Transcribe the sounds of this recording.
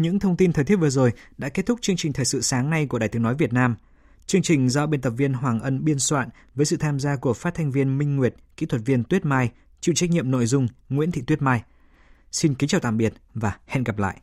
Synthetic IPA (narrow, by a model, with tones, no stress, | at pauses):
ɲɨ̰˧˥ŋt̪ʰə˧wŋ͡mt̪i˧nt̪ʰəː˨˩t̪i˦˥t̚vəzo˨˩jɗa̰ː˧˥ke˦˥t̚t̪ʰʊ˥k͡p̚t͡ɕɨ˧əŋt͡ɕï˨˩t̪ʰəː˨˩sɨ̰˧˨saː˨˦ŋna˧jku˧˩əɗaː˨˩t̪ɨ˨˦nɔ˨˦jvi˨˩ət̚naː˧m | t͡ɕɨ˧əŋt͡ɕï˨˩ŋ̟zɔ˧ɓe˧nt̪ə˨˩p̚vi˧ənɦwaː˨˩ŋʔə˧nɓi˧ənswa̰ː˧˨n | vəː˨˦jsɨ̰˧˨t̪ʰaː˧mzaː˧ku˧˩əfaː˦˥t̚t̪ʰa˧jŋ̟vi˧ənmï˧ŋ̟ːwi˨˩ət̚kḭ˧˥t̪ʰwə˨˩t̚vi˧ənt̪wi˦˥ət̚maː˧j | t͡ɕḭ˧˨wt͡ɕa˦˥k̚ɲḭ˧˨əmno̰˧˨jzʊ˧ŋ͡mŋwḭ˧˥t̪ʰḭ˧˨t̪wi˦˥t̚maː˧j | si˧nki˨˦t͡ɕaː˨˩wt̪a̰ː˧˨mɓi˨˩ət̚vaː˨˩hɛ̰˧˨nɣə˨˩p̚la̰ː˧˨jʔ